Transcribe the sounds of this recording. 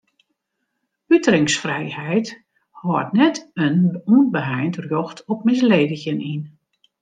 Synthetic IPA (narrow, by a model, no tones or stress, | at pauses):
ytrɪŋsfrɛjhɛjt | hɔətnɛtənunbəɦɛjntrjɔxtʰɔp̚mɪsleːdəçənin